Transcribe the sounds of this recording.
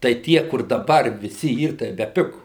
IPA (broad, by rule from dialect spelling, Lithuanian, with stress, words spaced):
tɐɪ ˈtʲiɛ kʊr dɐˈbɐr ʋʲɪˈsʲɪ ˈiːr tɐɪ bʲɛˈpʲɪɡʊ